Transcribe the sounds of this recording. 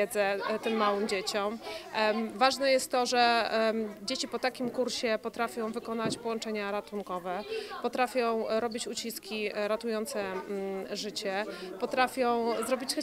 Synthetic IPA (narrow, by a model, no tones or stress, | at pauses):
ɛd̪zɛt̪ɘmːawɘmd͡ʑet͡ɕɔm | vaʐnɛjɛst̪ːɔʐɛ | d͡ʑet͡ɕipɔt̪akʲimkuɾɕɛpɔt̪ɾafʲjɔ̃w̃vɘkɔn̪at͡ɕpɔwɔnt͡ʂɛɲaɾat̪uŋkɔvɛpɔt̪ɾafʲjɔ̃w̃ɾɔbʲit͡ɕut͡ɕiskʲiɾat̪ujɔnt̪sɛ | ʐɘt͡ɕɛpɔt̪ɾafʲjɔ̃w̃zɾɔbʲit͡ɕx